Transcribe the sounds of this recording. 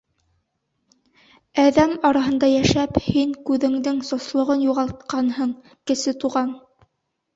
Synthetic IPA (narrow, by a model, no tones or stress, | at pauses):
æðæmɑɾɑɦɤ̆nd̪ɑjæʃæphiŋkʉðɘ̆ŋd̪ɘŋsŏslˠŏʁɤnjuʁɑlˠt̪̚qɑnhɤɴ | kɘ̆sɘt̪uʁɑn